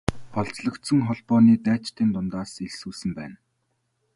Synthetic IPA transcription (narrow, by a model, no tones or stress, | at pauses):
χɔɮt͡sɮɞ̆kt̪sə̆ŋχɔɮpɔːniːt̪æːt͡ɕt̪ʰeːnt̪ʊnt̪aːseɮsuːsɘ̆mpæ̰ːn